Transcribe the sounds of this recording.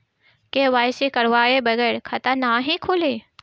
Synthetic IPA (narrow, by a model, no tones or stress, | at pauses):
keʋaːjsekɐɾʋaːebɐɡɛːɾkʰɐt̪ənaːɦĩkʰʊleː